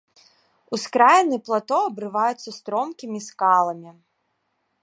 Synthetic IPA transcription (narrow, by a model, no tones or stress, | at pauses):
uskɾajnɨplˠat̪ɔɐbɾɨvajut̪sːɐst̪ɾɔmkʲimʲiskalˠɐmʲi